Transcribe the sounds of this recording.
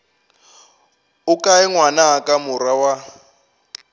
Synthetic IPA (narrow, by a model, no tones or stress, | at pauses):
ukʼaɛŋwanaakʼamʊɾawa